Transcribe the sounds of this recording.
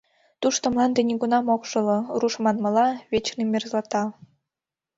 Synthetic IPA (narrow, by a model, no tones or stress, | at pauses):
t̪uʃt̪ɤ̆mlˠɑnd̪enʲiɡunɑmokʃɤ̆lɤ̆ruʃmɑnmɤ̆lɑβʲet͡ɕrnimʲerzlɑt̪ɑ